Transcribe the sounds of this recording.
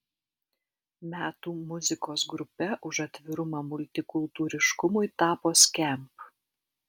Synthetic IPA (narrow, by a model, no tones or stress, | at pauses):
mʲæːt̪uːmʊzʲɪkoːsɡɾʊpʲɛʔʊʃɐt̪ʲʋʲɪɾʊmɑːmʊlʲt̪ʲɪkʊlˠt̪uːɾʲɪʃkʊmʊɪt̪ɑːpoːsʲkʲɛˑmp